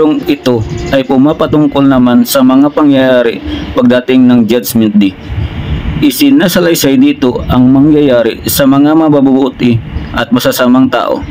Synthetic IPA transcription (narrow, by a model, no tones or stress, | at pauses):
ɾoŋɪt̪o̞ʔɐjpʊmapɐt̪ʊŋkolnɐmansɐmɐŋapɐŋjajaːɾɪpɐɡ̚d̪aːt̪ɪŋnɐŋd͡ʒad͡ʒmɛnt̪̚d̪i | ʔɪsɪnasɐlɐjsɐjd̪iːt̪o̞ʔɐŋmɐŋjajaːɾɪ̰sɐmɐŋamɐbabubʊʔt̪ɪʔɐt̪̚mɐsasaːmɐŋt̪a̰ːʔo̞̰